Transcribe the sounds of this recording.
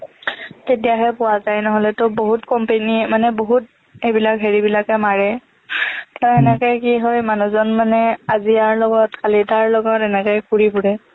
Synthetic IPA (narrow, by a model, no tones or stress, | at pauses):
tetijaɦɛpʊwazajnɔɦɔlɛtʊboɦutkɔmpenimanɛboɦut | ejbilakɦeɹibilakɛmaɹɛ | taɛnɛkɛkiɦojmanuzɔnmanɛaziaɹlɔɡɔtkalitaɹlɔɡɔtɛnɛkɔjkuɹipuɹɛ